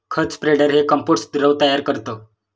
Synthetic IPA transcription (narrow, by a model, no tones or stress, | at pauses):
kʰət͡spɾeɖəɾɦekəmpoʈsd̪ɾəʋt̪əjaɾkəɾt̪ə